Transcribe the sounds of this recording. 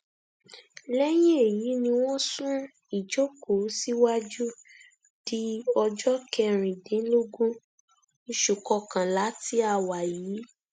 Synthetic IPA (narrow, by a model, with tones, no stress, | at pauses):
lɛ˦j̃ĩ˦e˨ji˨˦nĩ˧w̃ɔ̃˦sũ˦ | i˨d͡ʒo˦ko˨˦si˦wa˦d͡ʒu˦ | d̥i˦ɔ˧d͡ʒɔ˦kɛ˧ɾ̃ĩ˨dẽ˨˦lo˦ɡũ˦˧ | ʃu˨kɔ˧kã˨la˨˦ti˦a˦˨wa˨jiː˨˦